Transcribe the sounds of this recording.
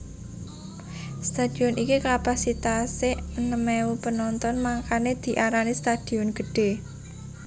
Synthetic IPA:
st̪ad̪̥i̤ɔnʔikikapasit̪aseənəmɛupənɔnt̪ɔnmaŋkaned̪̥i̤ʔaɾanist̪ad̪̥iɔnɡ̥ə̤ɖ̥e̤

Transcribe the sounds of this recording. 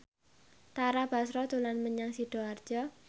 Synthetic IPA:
t̪aɾab̥a̤sɾɔd̪̥ṳlanməɲaŋsiɖ̥ɔ̤ard̥d͡ʒ̥ɔ

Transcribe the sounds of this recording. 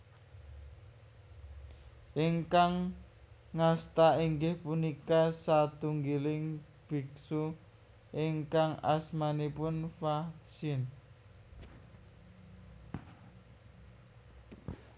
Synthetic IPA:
ʔiŋkaŋː | ast̪aiŋɡɪhpunikasat̪uŋɡilɪŋ | b̥i̤k̚su | ʔɪŋkaŋa̰smanipʊnfasɪn

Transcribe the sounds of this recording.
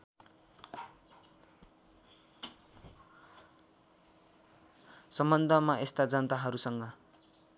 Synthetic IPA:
sʌmbʌnd̪ʱʌmaʔest̪ad͡zʌnʌt̪aɦʌɾusʌŋɡʌ

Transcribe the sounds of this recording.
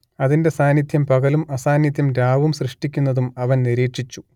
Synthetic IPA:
ɐðinde̞saːnjid̪ʰʱjɐmpɐɣɐlumɐsaːnjid̪ʱjɐmɾaːʋumɕrɨʂʈikʲːunːɐðumɐʋɐnniɾiːʈʂit͡ɕːu̥

